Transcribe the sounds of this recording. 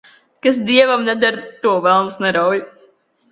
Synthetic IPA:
kas̬d̪iɛvamnɛd̪aɾt̪uɔvɛlˠmsnɛɾawj

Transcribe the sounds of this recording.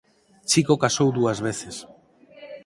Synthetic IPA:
t͡ʃikokasowðuazβeθes

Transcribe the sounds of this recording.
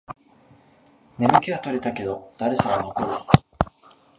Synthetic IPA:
ne̞mɯ̟kʲeat̪o̞ɾe̞t̪ake̞d̪o̞d̪̥aɾesaɡano̞koɾɯ̟

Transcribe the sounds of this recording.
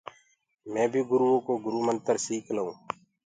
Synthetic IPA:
mɛ̃ːbʱiːɡʊɾuːõːkoːɡʊɾuːmənt̪əɾsiːkʰləõː

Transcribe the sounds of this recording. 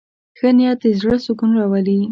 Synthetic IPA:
xənijɑt̪ezɽəsʊkunɾɑwali

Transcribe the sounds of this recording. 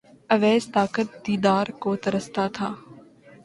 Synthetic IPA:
ɐʋɛːst̪aːkət̪̚d̪iːd̪aːɾkoːt̪ɐɾəst̪aːt̪ʰaː

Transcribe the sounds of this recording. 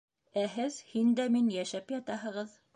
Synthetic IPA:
æɦɘðhind̪æminjæʃæpjɑt̪ɑɦɤ̆ʁɤð

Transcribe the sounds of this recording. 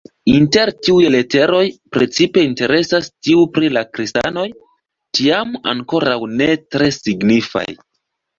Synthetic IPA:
inte̞ɾtiujle̞te̞ɾo̞jpɾe̞t͡sipe̞inte̞ɾe̞sastiupɾilakɾista̰no̞j | tiama̰ŋko̞ɾawne̞tɾe̞siɡnifa̰j

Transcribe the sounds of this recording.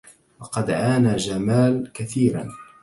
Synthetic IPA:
wɑqɑd̪ʔaːnaːd͡ʒamaːlkaθiːɾa̰n

